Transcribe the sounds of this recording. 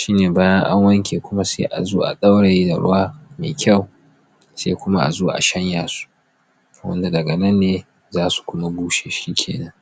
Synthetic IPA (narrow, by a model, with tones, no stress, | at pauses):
ʃiː˦neː˨baː˦jɐ˦ŋʔa˦ŋwɐ˦ŋkʲʰeː˨kʷʊ˦ma˦seː˦ʔa̰˨zoː˦ʔa̰˨ɗa˦wɽa˨ji˦da˨ɽʊ̰˦waː˦mḛː˨kʲʰɐ˦˨w | seː˦kʷʊ˦ma˦ʔa̰˨zoː˦ʔa̰˨ʃɐ˦ɲjaː˨su̥˦ | wɐ̰˦nda˨dɐ˨ɡɐ˨nɐ˦nːeː˦ | zaː˦su̥˨kʷʊ˦ma˦ɡʷuː˦ʃe˨ʃi˦kʲʰḛː˨nɐ˦ŋ